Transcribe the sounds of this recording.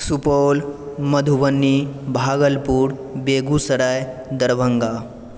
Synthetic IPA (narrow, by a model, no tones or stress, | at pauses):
supowlməd̪ʱuʋənːibʱaɡəlpuːɽbeɡusəɽajd̪əɾʋʱəŋɡa